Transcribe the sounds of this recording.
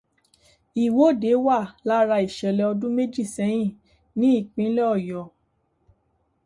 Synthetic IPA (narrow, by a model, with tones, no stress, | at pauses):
i˨wo˨˦˨de˨˦wa˦˨la˦ɾa˧i˨ʃɛ˨lɛ˧ɔ˧dũ˦me˦d͡ʒi˦˨sɛ̃˨˦j̃ĩ˦˨ | nĩ˨˦i˦˨k͡pĩ˨˦lɛ˦ɔ˦˨jɔ˨